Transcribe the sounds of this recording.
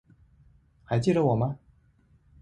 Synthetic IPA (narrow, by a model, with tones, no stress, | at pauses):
xa˧˥ɪt͡ɕji˥˩də˨˩wɔ˨˩mɐ˦